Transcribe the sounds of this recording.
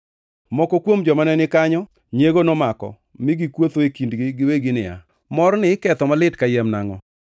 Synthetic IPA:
mɔkɔkwomd͡ʒɔmanɛnɪkaɲɔ | ɲeɡonɔmakɔ̰ | mɪɡikwot̪oekindɡɪɡɪweɡinɪa̰ | mɔɾnɪkɛt̪ɔmalɪtkajɛmnaŋɔ̰

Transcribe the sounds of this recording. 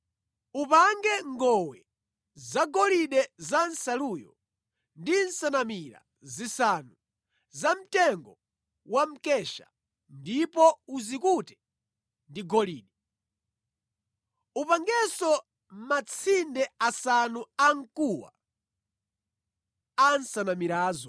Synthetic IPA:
upaŋɡɛŋɡɔwɛ | zaɡɔliɗɛzansaluːjɔ̰ | ndinsanamiɾa̰ | zisanu | zam̩tɛŋɡɔ | wam̩kɛʃa̰ | ndipɔuzikutɛ̥ | ndiɡɔliːɗɛ | upaŋɡɛsɔ | mat͡sʰindɛasanuaŋkuwa̰ | ansanamiɾaːzɔ

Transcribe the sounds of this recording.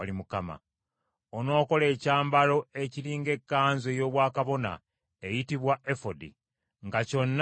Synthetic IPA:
alimukama̰ | ono̞ːko̞le̞ːcaːmbalo̞e̞ciliːŋɡe̞kːaːnzejo̞ːβwaːkaβo̞na̰ | e̞jitiβwae̞fodḭ | ŋɡaco̞nː

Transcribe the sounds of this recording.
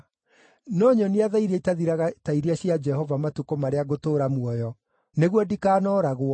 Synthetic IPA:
nɔɲɔniaðaiɾeitaðiɾaɣataiɾiaɕiad͡ʒɛhɔvamatukɔmaɾeaɣotoːɾamwɔjɔ | neɣwɔdikaːnɔːɾaɣwɔ

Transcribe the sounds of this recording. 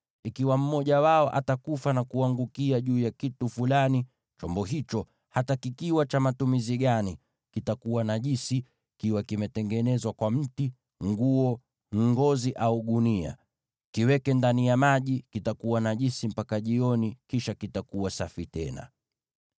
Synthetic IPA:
ikiwam̩mɔʄawaɔʔa̰takufanakuaŋɡukiaʄuːjakitufulani | t͡ʃɔmbɔɦit͡ʃɔ | hatakikiwat͡ʃamatumiziɠani | kitakuwanaʄisi | kiwakimɛtɛŋɡɛnɛzwakwam̩ti | ŋɡuɔ | ŋ̩ɡɔziʔauɠunia̰ | kiwɛkɛndanijamaʄikitakuwanaʄisim̩pakaʄiɔnikiʃakitakuwasafitɛ̰na̰

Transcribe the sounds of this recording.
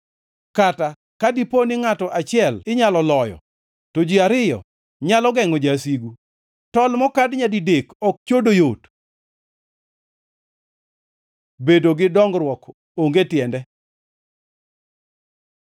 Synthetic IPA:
kata | kadiponɪŋatɔʔat͡ʃɪɛlɪɲalɔlɔjɔ̰ | tod͡ʒiaɾɪjɔ̰ | ɲalɔɡɛŋɔd͡ʒasiɡu | tɔlmɔkadɲadidekɔk̚t͡ʃodojot | bedoɡɪdɔŋɡɾwɔk | oŋɡetjɛndɛ

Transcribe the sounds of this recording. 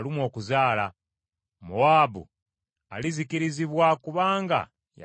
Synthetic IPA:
limwo̞ːkuzaːla | muwaːbṵ | a̰lizikiɾiziβwakuβaːŋɡa̰ | ja

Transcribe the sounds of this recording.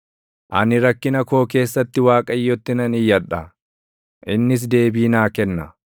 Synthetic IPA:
ʔɐnɪɾɐkːɪnɐko̞ːk̬e̞ːsːɐt̪ːɪwaːkʼɐjːɔt̪ːɪnɐnɪjːɐᶑɐ | ʔɪnːɪs̬d̪e̞ːbiːnaːkɛnːɐ

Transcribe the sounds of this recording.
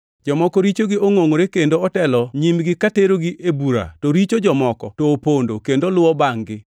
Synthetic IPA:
d͡ʒɔmɔkɔɾit͡ʃoɡɪoŋoŋoɾekendoɔtɛlɔɲimɡɪkateɾoɡiʔebuɾa̰toɾit͡ʃod͡ʒɔmɔkɔtoːpondokendolʊwɔbaŋɡɪ

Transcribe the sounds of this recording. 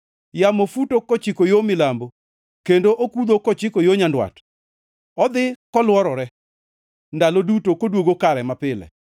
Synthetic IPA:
jamofutokɔt͡ʃɪkojomɪlambo | kendoʔokud̪okɔt͡ʃɪkojoɲandwa̰t | ɔd̪ɪkɔlwɔɾɔɾɛ | ndalodutokodwoɡokaɾɛmapɪlɛ̰

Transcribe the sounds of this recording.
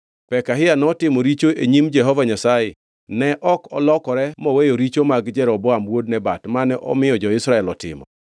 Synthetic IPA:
pɛkaɦɪjanɔtɪmɔɾit͡ʃoʔeɲimd͡ʒɛɦɔvaɲasajɪ | nɛʔɔkɔ̰lɔkɔɾɛmɔwejoɾit͡ʃomaɡd͡ʒɛɾɔbɔamwod̚nɛbatmanɛʔɔ̰mɪjɔd͡ʒɔɪsɾaɛlɔtɪ̰mɔ̰

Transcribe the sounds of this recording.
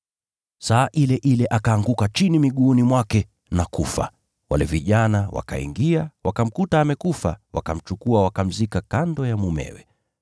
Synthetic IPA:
saːʔilɛʔilɛʔakaːŋɡukat͡ʃinimiɠuːnimwakɛ | nakufa̰ | walɛviʄanawa̰ka̰ḭŋɡiawakam̩kutaːmɛkufa̰wa̰kam̩t͡ʃukuawakam̩zikakandɔjamumɛ̰wɛ̰

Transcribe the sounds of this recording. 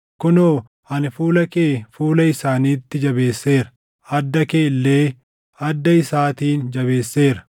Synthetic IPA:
kʊnoː | ɐnfuːlɐkeːfuːlɐɪsaːniːt̪ːɪd͡ʒɐbe̞ːsːe̞ːɾɐ̥ | ɐd̪ːɐkeːɪlːe̞ː | ɐd̪ːɐɪsaːt̪iːnd͡ʒɐbe̞ːsːe̞ːɾɐ̥

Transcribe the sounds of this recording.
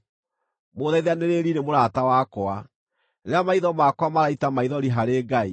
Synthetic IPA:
moːðaiðaneɾeɾiɾemoɾatawakɔa | ɾeamaiðɔmakwamaɾaitamaiðɔɾiɦaɾeːɡai

